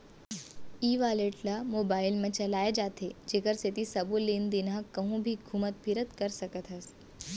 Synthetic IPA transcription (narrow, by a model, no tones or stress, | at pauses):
iːʋaːleːʈlamoːbaːɪlmə̃t͡ʃɐlaːjed͡ʒaːt̪ʰed͡ʒeːkəɾset̪isɐbulind̪ɪnãkɐɦũbʱiɡʱumət̪pʰɪɾət̪kəɾsɐkət̪ɦəs